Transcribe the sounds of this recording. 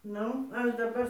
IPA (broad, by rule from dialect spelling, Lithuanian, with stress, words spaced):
ˈnʊ ˈɐʃ dɐˈbɐr